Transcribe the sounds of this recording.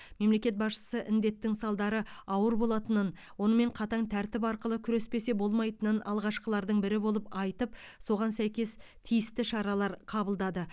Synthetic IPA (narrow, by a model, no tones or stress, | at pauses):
me̞mle̞kʲe̞t̪̚bɑsʃə̥səʔɪnd̪e̞t̪ːɪŋsɑlˠd̪ɑɾəɑwəɾbo̞lˠɑt̪ənən | wo̞nəme̞ɴqʰɑt̪ɑɴt̪ʰæɾt̪ɪpɑɾqəlˠəkʲʰʏɾe̞spe̞se̞bo̞lˠmɑjt̪ənənɑ̰lˠʁɑʃqəlˠɑɾd̪əɴbɪɾɪbo̞lˠəpɑjt̪əp̚ | so̞ʁɑnsæjkʲe̞s | t̪ʰijɪst̪ɪʃɑɾɑlˠɑɾqʰɑbəlˠd̪ɑd̪ə